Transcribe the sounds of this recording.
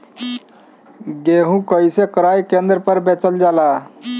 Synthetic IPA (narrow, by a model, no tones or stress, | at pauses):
ɡeɦũkəjsekəɾajkend̪ɾəpəɾbet͡ʃəld͡ʒala